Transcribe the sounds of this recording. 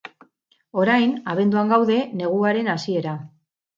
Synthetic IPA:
o̞ɾajnaβ̞e̞nd̪uaŋɡawðe̞ne̞ɣ̞uaɾe̞nasie̞ɾa

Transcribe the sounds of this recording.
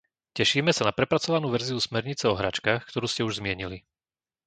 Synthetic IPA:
cɛʃiːmɛsanapɾɛpɾat͡sɔʋanuːʋɛɾziusmɛɾɲit͡sɛɔɦɾa̰ːt͡ʃkaːxkt̪ɔɾuːscɛuʒzmɪɛɲili

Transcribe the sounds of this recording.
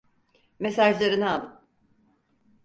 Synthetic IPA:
mesaʒlˠaɾinaːlˠɯ

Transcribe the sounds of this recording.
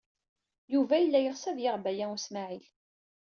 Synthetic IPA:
juvæjəlːæjəʁsæðjəʁbæjæusmaʕil

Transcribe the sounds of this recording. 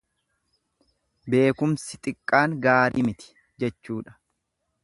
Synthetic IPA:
be̞ːkʊmsɪt̪ʼɪkʼːaːŋɡaːɾiːmɪt̪ɪ̥ | d͡ʒɛt͡ʃːuːᶑɐ̥

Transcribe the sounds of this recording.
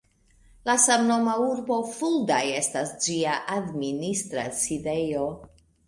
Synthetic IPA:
lasamno̞mauɾbo̞fuldaje̞stasd͡ʒiaʔadministɾa̰side̞jo̞

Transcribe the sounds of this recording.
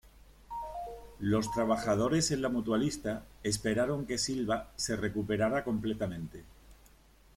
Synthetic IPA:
lo̞st̪ɾaβ̞axað̞o̞ɾe̞se̞nlamut̪walist̪ae̞spe̞ɾaɾo̞ŋke̞silβase̞re̞kupe̞ɾaɾako̞mplet̪amẽ̞nt̪e̞

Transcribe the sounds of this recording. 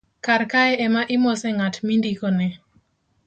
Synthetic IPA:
kaɾkaɛʔɛmaʔɪmɔsɛŋatmindikonɛ

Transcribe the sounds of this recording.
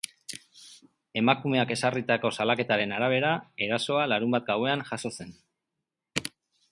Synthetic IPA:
e̞makume̞ake̞sarit̪ako̞salake̞t̪aɾe̞naɾaβ̞e̞ɾae̞ɾaso̞alaɾumbat̪̚ɡawe̞anʝaso̞se̞n

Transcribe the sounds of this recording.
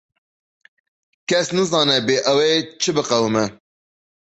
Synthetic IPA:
kɛsnɨzɑːnɛbeːʔɛwet͡ʃʰɨbɨqɛwɨmɛ

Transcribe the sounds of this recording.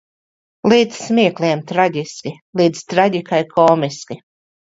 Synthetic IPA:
lˠiːd̪zsmʲiɛklˠiɛmt̪ɾaɡʲiskʲi | lˠiːd̪zt̪ɾaɡʲikajkʰɔːmiskʲi

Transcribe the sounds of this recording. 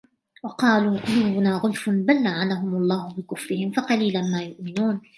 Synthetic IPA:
wɑqɑːluːʔʊluːbʊnaːɣʊlfʊbalːaʕanaɦʊmʊlˤːɑːhʊbɪkʊfɾɪhɪmfɑqɑliːlanmaːjʊʔmɪnuːn

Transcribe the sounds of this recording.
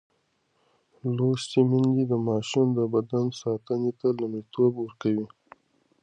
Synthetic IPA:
lost̪imɪnd̪id̪əmɑʃind̪əbad̪ansɑt̪ənet̪alumit̪ʰobwəɾkawi

